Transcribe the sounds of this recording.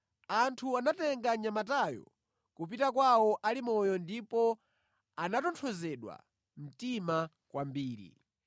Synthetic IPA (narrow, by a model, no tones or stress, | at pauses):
antʰuanatɛŋɡaɲamatajɔ̰ | kupitakwawɔʔalimɔjɔndipɔ | anatɔntʰɔzɛɗwa̰ | m̩tima | kwambiːɾḭ